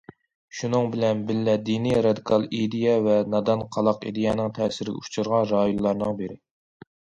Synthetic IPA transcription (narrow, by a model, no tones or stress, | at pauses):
ʃunɨŋbɪlɛnbɪlːɛd̪iniɾɑd̪ikʰɑlˠed̪ijɛvɛnɑd̪ɑnqʰɑlˠɑqḭd̪ejɑnɨŋt̪ʰɛsɪɾɪɡʲɛ̰ut͡ʃʰuɾʁɑnɾɑːjunlːˠɑɾnɨŋbeɾɪ